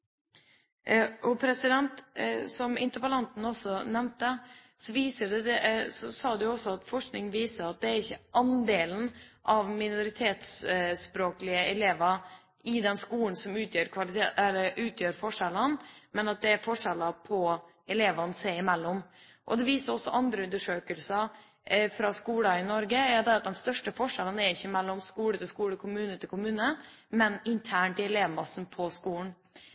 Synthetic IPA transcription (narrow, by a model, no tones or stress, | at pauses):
ʔɔpʰɾɛsɪd̪ɛnt̪sɔmɪ̰nt̪əpɑlɑnt̪n̩ɔsːɔnɛmnt̪əsɔʋiːsəɖɛd̪ɛsɔsɑːd̪ɛjʊɔsːɔɑt̪fɔʂknɪŋʋiːsəɾɑt̪̚d̪ɛæɾɪçːəʔɑnd̪eːln̩ʔɑʋmɪnʊɾɪt̪ʰeːt̪sspɾoːklɪəɛleːʋəɾ | ɪd̪ɛnskuːn̩sɔmʉːt̪ʰjøːɾkʰʋɑlɪt̪ʰeːɛlːəʔʉːt̪ʰjøːɾfɔʂɛlənmɛnɑt̪̚d̪ɛæɾfɔʂɛləpʰɔ | ʔɛleːʋɑnseɪɪmɛlːɔm | ʔɔd̪ɛʋiːsəɾɔsːɔʔɑnd̪ɾəʉnd̪əʂøːkəlsɑ | fɾɑskuːlɑɪnɔɾɡəæɾʊd̪ɛɑt̪̚d̪ɛnst̪œʂʈəfɔʂɛlənæɾɪçːəmɛlːɔmskuːlət̪ʰɪlskuːɽəkʰʊmʉːnət̪ʰɪlkʰʊmʉːnə | mɛnɪnt̪ʰæːɳʈɪɛleːʋmɑsn̩pʰɔskuːn̩